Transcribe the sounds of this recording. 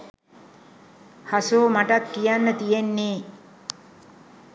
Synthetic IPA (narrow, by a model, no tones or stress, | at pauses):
hasoːmaʈat̪kijanːət̪ijenːeː